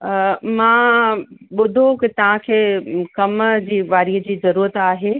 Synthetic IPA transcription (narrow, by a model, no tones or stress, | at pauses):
mãː | ɓʊd̪ʱokit̪ɐʋ̤ãkʰeːkɐmd͡ʑiːʋaːɾiəd͡ʑiːzɐɾuːɾət̪aːɦeː